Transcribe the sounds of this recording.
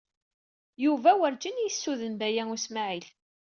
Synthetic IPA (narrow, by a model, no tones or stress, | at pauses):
juvæwəɾd͡ʒənjəsːuðənbæjæŋʊsmaʕil